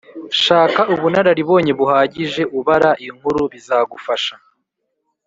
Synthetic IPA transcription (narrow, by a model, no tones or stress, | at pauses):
ʃaːkaʔuβunaɾaɾiβo̞ːɲe̞βuhaːɟiʒe̞ʔuβaɾaʔiŋhuɾuβizaːɡufaʃa